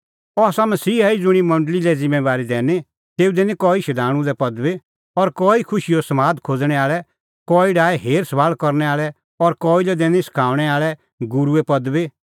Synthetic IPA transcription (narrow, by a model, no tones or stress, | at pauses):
ɔasamɐsiːɦaid͡zʊɽ̃imɐ̃ɳɖlilɛd͡zɪ̃mːeʋaːɾid̪ɛːne | t̪eːud̪eːnikɔːiʃɐd̪ʱaːɽ̃ũd̪ɛpɐd̪be | ɔɾkɔːikʰʊʃijosɐmaːd̪kʰoːd͡zɽ̃ɛaːɭɛ | kɔːiɖaːɛɦeːɾsɐbaːlkɔɾnɛaːɭɛ | ɔɾkɔːilɛd̪ɛːnisɐ̥kʰaːʋɽ̃ɛaːɭɛ | ɡʊɾuɛpɐd̪be